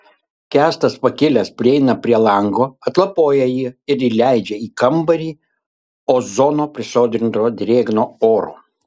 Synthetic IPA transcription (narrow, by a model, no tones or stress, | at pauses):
kʲæːst̪ɐspɐkʲɪlʲɛspʲɾʲɪɛɪnɐpʲɾʲiɛlˠɐŋɡoːɐt̪lˠɐpoːjɛjiːɪɾiːlʲæɪd͡ʒʲɛiːkɐmbɐɾʲiː | oːzoːnoːpʲɾʲɪsoːd̪ʲɾʲɪnt̪oːd̪ʲɾʲeːɡnoːoːɾo̰ː